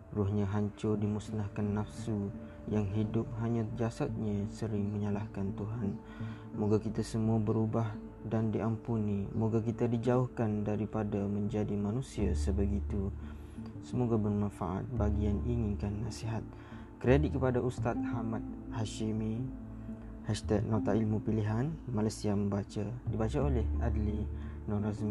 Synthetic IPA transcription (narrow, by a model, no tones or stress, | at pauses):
ruhɲãɦaɲt͡ʃʊrdimusnahkanːafsu | jaŋɦidʊp̚ɦaɲãd͡ʒasat̪̚ɲasəɾɪŋməɲalahkant̪uɦan | moɡakit̪asəmũabəɾubah | dandiʔampunimoɡakit̪adid͡ʒaʊhkandaɾipadamə̃ɲd͡ʒadimanũsiasəbəɡit̪u | səmoɡabərmãnfa̰ʔa̰t̪̚baɡianiŋinkanːasiɦat̪̚ | kɾedit̪̚kəpadaʔust̪at̪̚hamat̪̚haʃimi | haʃt̪ɛk̚nat̪aʔilmupiliɦanmalasiamə̃mbat͡ʃadibat͡ʃaolɛhadlinɔ̃ɾazmi